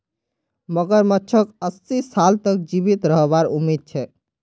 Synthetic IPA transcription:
məɡəɾmətːt͡ʃʰəkəsːisalt̪ək̚d͡ʒibit̪ɾəɦbaɾumːid̪̚t͡ʃʰɛ

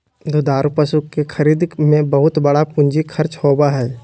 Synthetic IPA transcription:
d̪ʊd̪aːɾpəsukːekʰɐɾiːd̪mẽbəɦʊt̪bɐɽapʊ̃ɲd͡ʒikʰɐɾt͡ʃhoːbaɦɛː

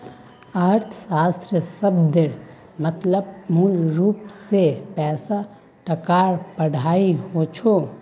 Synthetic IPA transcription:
aːɾt̪ʰsaːst̪ɾjəsəbd̪eɾ | mət̪ləbmuːlɾuːpsepɛːsa | ʈɐkaːɾpəɽ̤aːiɦot͡ʃʰo

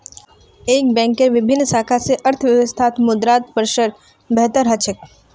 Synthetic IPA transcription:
eːk̚bɛ̃ːŋkːeʋɪbʱɪnːsaːkʰaseʔɐɾt̪ʰʋjəʋəst̪ʰaːt̪mʊd̪ɾaːt̪̚pəɾʃəɾ | bɛɦt̪əɾɦɐt͡ʃʰək̚

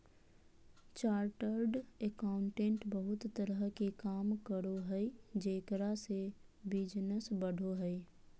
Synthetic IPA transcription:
t͡ʃaːɾʈəɾɖekaʊ̃ɳʈẽːɳʈbəɦʊt̪ːəɾəɦkekaːmkəɽoɦɛid͡ʒeːkɾasebɪd͡ʒnəsbəɽ̤ʱoɦɛi

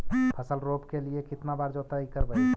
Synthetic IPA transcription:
pʰəsəlɾoːpkeliekɪt̪nabaːɾd͡ʒɔːt̪aikəɾbə

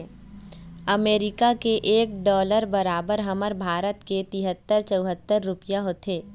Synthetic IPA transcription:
ɐmeːɾɪkakeʔeːk̚ɖɔːləɾbɐɾaːbəɾɦɐməɾbʱaːɾət̪ket̪ɪɦət̪ːəɾt͡ʃəʊɦət̪ːəɾːʊpɪjaɦoːt̪eː

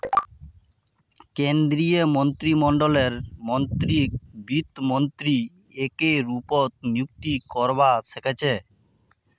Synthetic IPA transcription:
kend̪ɾijemont̪ɾimɔɳɖoleɾmont̪ɾibit̪mont̪ɾi | ekeɾupot̪̚njuk̚t̪ikɔɾbaʃʰekʰet͡ɕʰe

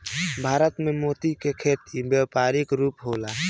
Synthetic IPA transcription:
bʱaːɾət̪memoːt̪ikekʰeːt̪ibjəpaːɾɪkɾuːpɦoːla

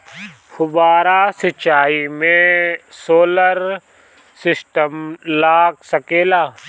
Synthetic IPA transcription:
xʊbaːɾasɪt͡ʃaːimẽsoːləɾ | sɪsʈəmlaːɡsɐkeːlaː

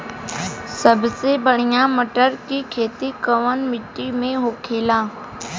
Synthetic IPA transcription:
səbsebəɳ̤ɪjãːməʈəɾkikʰeːt̪ikəʋənmɪʈːimẽɦoːkʰeːlãː

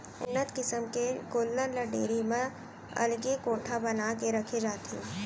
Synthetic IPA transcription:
ʊ̰nːət̪kɪsəmkeɡoːlːələɖḛːɾimẽ | ɐ̰lɡekoːʈʰabɐnaːkeɾɐkʰed͡ʒaːt̪e

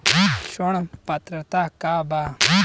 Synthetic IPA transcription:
ʃoɽ̃pɐt̪ɾət̪aːkaːbaː

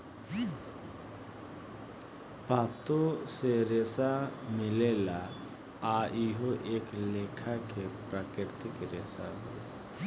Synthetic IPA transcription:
paːt̪oseɾeːsamɪlela | aʔiɦoʔeːkleːkʰakepɾaːkɾɪɾt̪ɪkɾesa̰ɦo

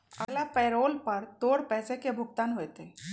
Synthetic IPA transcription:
ə̰ɡlapɛːɾoːlpəɾt̪oːɽpɛːsekebʱʊkt̪aːnɦojt̪e

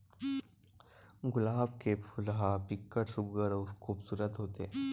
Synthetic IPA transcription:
ɡulaːbkepʰulɦapikːəʈsuɡəɾokʰuːbsuːɾət̪ɦot̪e

